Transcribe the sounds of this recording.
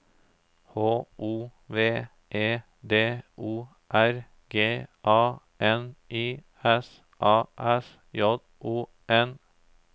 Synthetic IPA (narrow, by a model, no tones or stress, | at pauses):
hoːʔuːʋeː | ʔeː | d̪eːuː | ʔæɾ | ɡ̥eːʔɑː | ʔɛnʔiː | ɛs | ʔɑːʔɛs | jɔd̪ | ʔuː | ɛn